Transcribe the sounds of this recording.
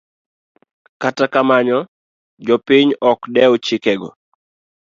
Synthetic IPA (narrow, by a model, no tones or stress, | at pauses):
katakamaɲɔ | d͡ʒɔpɪɲɔkdɛot͡ʃɪkɛɡɔ̰